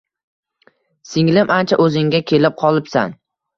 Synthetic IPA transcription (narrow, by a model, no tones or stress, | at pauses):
sɪŋlɪmʔant͡ʃʰaʔɵzɪŋɡʲakʲʰe̞lɪp̚qʰɒlˠɪpsa̰n